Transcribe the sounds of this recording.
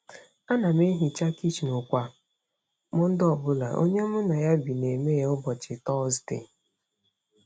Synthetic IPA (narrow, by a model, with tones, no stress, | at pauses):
a˦na˨m˦e˦ɦi˨t͡ʃa˦ki˦t͡ʃnʊ˨kʷa˨ | mʊ˦n̩˦dɔ˦˨bʊ˦la̰˨ʔo̰˦ɲe˦mʊ˦na˨ja˦bi˨ne˨me˦e˨˦ʊ˦bɔ˨t͡ʃɪ˨tɔ˦ztḛ˨